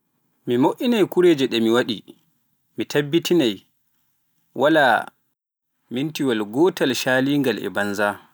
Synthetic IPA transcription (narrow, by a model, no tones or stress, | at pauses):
mimoʔinajkuɾeːd͡ʒɛɗɛmiwaɗi | mitʰabːitʰinaj | wʔala | mintiwalɡɔːtalʃaːliːŋɡalʔɛ̰banza